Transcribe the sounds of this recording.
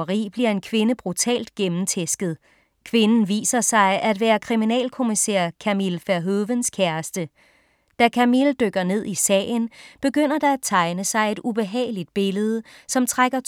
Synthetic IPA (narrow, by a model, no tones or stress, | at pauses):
ɐʁḭːb̥liɐe̝nkʰʋe̝nəb̥ʁut͡sʰɛ̰ːld̥̚ɡ̥emn̩t͡sʰesɡ̥ð̞̩ˠ | kʰʋe̝nn̩ʋḭːsɐsɑ̈ɪʔæd̥ʋæːɐkʰʁiminɛ̰ːlkʰo̝misæːɐ̰kʰæmilfæɐɦøʋənskʰæɐsd̥ə | d̥ækʰæmild̥øɡ̥ɐne̝ð̞̰ˠisɛ̰ːɪnb̥e̝ɡ̥øn̰ɐd̥ɑ̈æt͡sʰɑ̈ɪnəsɑ̈ɪe̝d̥ub̥e̝ɦɛ̰ːɪlid̥̚b̥e̝ləð̞̩ˠəsɒ̽mt͡sʰʁaɡ̥ɐ